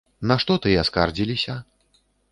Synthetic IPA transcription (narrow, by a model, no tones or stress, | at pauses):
nɐʂt̪ɔt̪ɨaskard͡zʲilʲisʲɐ